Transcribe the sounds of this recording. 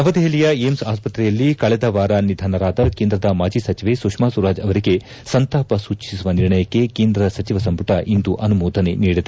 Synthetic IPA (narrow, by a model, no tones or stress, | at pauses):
ɐʋɐd̪eɦelijɐemsaːspɐt̪ɾɛjɐlːikɐɭɛd̪ɐʋaːɾanid̪ʱaːnɐɾaːd̪ɐkeːnd̪ɾɐd̪ɐmaːd͡ʒisɐt͡ʃiʋe̞sukʂmaːsuɾaːd͡ʒɐʋɐɾiɡe̞ | sɐnt̪aːpɐsuːt͡ʃisuʋɐniɾɳɐjɐkːe̞keːnd̪ɾɐsɐt͡ʃiʋɐsɐmpuʈɐʔind̪uʔɐnumoːd̪ʱɐne̞niːɽid̪e